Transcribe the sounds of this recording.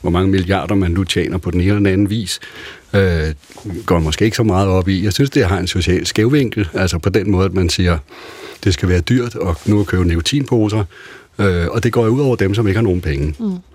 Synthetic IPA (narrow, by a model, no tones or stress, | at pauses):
ʋɒmɑ̈ŋəmiliɑ̰̈ːd̥ɐmænːut͡ɕʰjɛ̰ːnɐpʰɒ̽d̥en̩eːnɒdenænn̩ʋḭːs | ø | ɡ̥ɒ̰ːmɒsɡ̥e̝̰ːeɡ̥sɒ̽mɑ̈ːð̞̩ˠɒ̽b̥ijɑ̈ɪsynsd̥e̝ɦɑ̈e̝nso̝ɕɛ̰ːlsɡ̥eʊʋeŋ̰ɡ̥l̩æl̰sɐpʰɒ̽d̥enmɔ̽ːðˠædmænsiːɐd̥e̝sɡ̥æʋæːɐd̥yɐ̰d̥ɒ̽nukʰøːʊnekʰot͡sʰḭːnpʰoːsɐ | øɒ̽d̥e̝ɡ̥ɒ̰ːjouðˠɒʊ̰ɐd̥emsɒ̽me̝ɡ̥əhɑ̈no̝ːn̩pʰeŋə